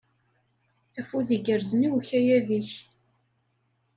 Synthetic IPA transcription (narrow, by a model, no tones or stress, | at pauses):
æfuðiɡəɾzəniwçæjæðiç